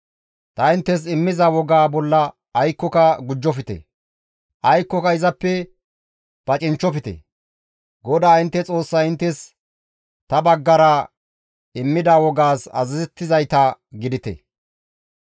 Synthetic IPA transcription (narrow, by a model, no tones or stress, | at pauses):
t̪ɐɪnt̪ːɛs̬ɪmːɪzawɔɡaːbɔlːɐː | jkːɔkɐɡʊd͡ʒːɔfɪt̪ɛ̰ | ʔɐjkːɔkɐɪzɐpːɛ | b̥ɐt͡ʃʼɪnt͡ʃːɔfɪt̪ɛ̰ | ɡɔd̪aːɪnt̪ːɛt͡sʼo̞ːsːɐɪnt̪ːɛs | t̪ɐbɐɡːɐɾɐ | ɪmːɪd̪awɔɡaːsɐ̰zɪzɛt̪ːɪzɐjt̪ɐɡɪd̪ɪt̪ɛ̰